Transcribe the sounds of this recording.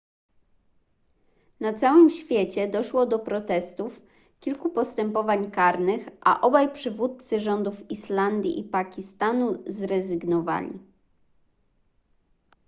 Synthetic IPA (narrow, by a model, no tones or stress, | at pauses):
nat̪sawɘmɕfʲjet͡ɕɛd̪ɔʂwɔd̪ɔpɾɔt̪ɛst̪uf | kʲilkupɔst̪ɛmpɔvaɲkaɾnɘxʔa̰ʔɔbajpʂɘvut̪̚t̪sɘʐɔnd̪ufiʂland̪ʲjḭʔipakʲist̪anuzɾɛzɘɡnɔva̰lʲḭ